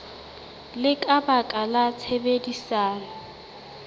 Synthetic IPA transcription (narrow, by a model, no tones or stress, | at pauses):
lɪkʼabakʼalat͡sʰebedisaːna